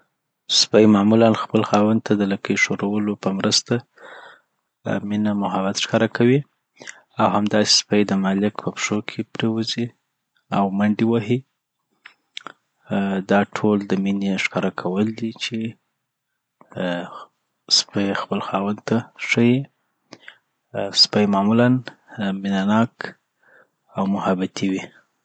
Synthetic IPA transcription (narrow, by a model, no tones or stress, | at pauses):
spajmɑmulanxpəlxɑwand̪̚t̪ʰad̪əlakəjʃoɾowəlopəmɾəst̪a | minamʊɦabat̪ʃkɑɾakʰawi | awhamd̪ɑse̥spajd̪əmɑlɪkpəpʂokʰepɾewəzi | awmaɳɖiwaɦi | d̪ɑʈʰold̪əmineʂkɑɾakʰawəld̪it͡ʃe | spajxpəlxɑwant̪aʂəji | spajmɑmulanminanɑk | awmʊhabat̪ʰiwi